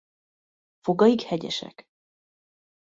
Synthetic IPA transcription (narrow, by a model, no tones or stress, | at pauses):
foɡɒikhɛɟɛ̰ʃɛ̰k